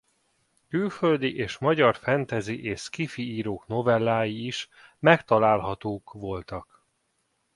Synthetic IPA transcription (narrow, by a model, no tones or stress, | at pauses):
kylføld̪iʔeːʃmɒɟɒrfɛnt̪ɛziʔeːʃkifiiːɾoːkno̞vɛlːaːjiːʃ | mɛkt̪ɒlaːlɦɒt̪oːkʋo̞lt̪ɒk